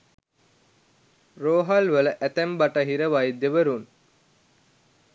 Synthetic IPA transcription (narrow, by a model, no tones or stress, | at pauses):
roːɦɐlʋələʔæt̪æmbaʈəɦiɾəʋajd̪eʋəɾun